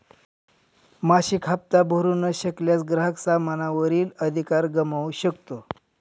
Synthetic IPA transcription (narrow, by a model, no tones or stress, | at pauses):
maɕikʰap̚t̪abʱoɾunəɕəkljat͡sɡɾəɦəksamanaʋəɾiːləd̪ʱikaɾɡəmauɕəkt̪o